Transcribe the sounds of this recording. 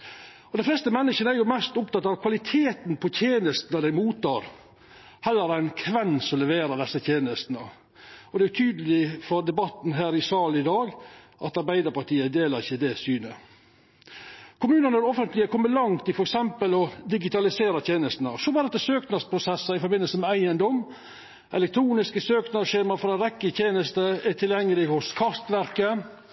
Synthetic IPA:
ɔd̪ɛɪflɛːst̪əmɛnːɪʃənəæɾjʊmæst̪ʊpt̪ɑt̪ɑʋkʰʋɑlɪt̪ʰeːt̪npʰɔt̪ʰjeːnəst̪ənəd̪æɪmuːt̪ʰːɑːɾ | hɛlːəɾæɪnkʰʋɛnsɔmlɛʋeːɾəd̪ɛsːət̪ʰjeːnəst̪nə | ɔd̪ɛæjʊt̪ʰyːd̪əlɪfɔɾd̪ɛbɑt̪n̩ɦæːɾɪsɑːlɪd̪ɑːɡ | ʔɑt̪ɑɾbæɪd̪əɾpɑʈiːəd̪eːlɑɾɪçːəd̪ɛsyːnə | kʰʊmʉːnənəɾɔfənt̪lɪəkʰɔmːəlɑŋt̪ʰːɪlfɔɾɛksɛmpəlɔd̪ɪɡɪt̪ɑlɪseːɾɑt̪ʰjeːnəst̪nəsɔbɑːd̪ɛt̪ːəsøːknɑspʰɾʊsɛsːəɪfɔɾbɪnːəlsəmɛæɪənd̪ɔm | ʔɛ̰lɛk̚t̪ʰɾuːnɪskəsøːknɑʃeːmɑɾfɔɾɛnɾɛkːət̪ʰjeːnəst̪əæʈ̪ʰɪljɛŋːəlɪhʊskʰɑst̪ʋæɾkə

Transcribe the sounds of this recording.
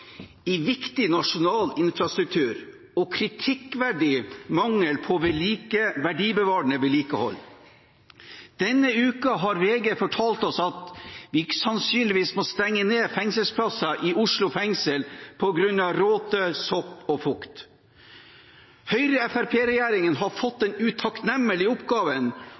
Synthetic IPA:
ɪʋɪkt̪ɪnɑʂʊnɑːlɪnfɾɑst̪ɾʉk̚t̪ʰʉːɾ | ɔkʰɾɪt̪ʰɪkʋæɖiːmɑŋːəlpʰɔʋɛliːkəʋæɖiːbəʋɑːɾɳəʋɛliːkəhɔ̰lː | d̪̥ɛnːəʉːkɑɦɑɾʋeːɡəfɔʈʰɑːlt̪ɔsɑt̪ʋɪɪkə̥sɑnsyːnlɪʋiːsmɔst̪ɛŋːəneːfɛŋsəlspʰlɑsɑʔɪʔʊʂlʊfɛŋsəlpʰɔɡɾʉnːɑʋɾoːt̪əsɔpːɔfʊkt̪ | hœʏɾəɛfæɾpʰeːɾɛjæːɾɪŋənɦɑɾfɔt̪ːɛnʉt̪ʰɑknɛmːəlɪʊpɡɑːʋən

